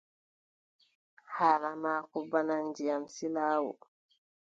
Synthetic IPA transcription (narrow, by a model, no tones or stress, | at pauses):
haːlamaːkubanand͡ʒijamsilaːwɔ̰